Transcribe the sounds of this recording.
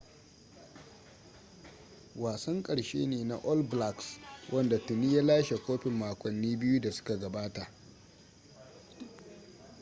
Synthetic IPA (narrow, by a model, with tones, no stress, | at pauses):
waː˨sɐ˦ŋkʼɐ˨ɽʃḛː˦neː˨na̰˨ʔɔ˦lbla˦˨kswʔɐ˦nda˨tʊ˨niː˦ja˦laː˦ʃe˨kʷoː˦ɸɪ˨mːaː˨kʷʼɔ˨nːiː˦bɪ˦ju˦da˨sʊ̥˦ka˨ɡɐ˨baː˦ta˨ʔ